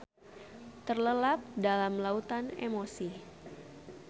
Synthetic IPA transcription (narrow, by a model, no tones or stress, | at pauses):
t̪ərləlap̚dalamlaut̪anḛmosi